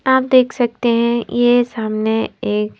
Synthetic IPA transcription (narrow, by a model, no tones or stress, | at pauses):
aːpd̪eːkʰsɐk̚t̪eɦɛ̃jesaːmneeːk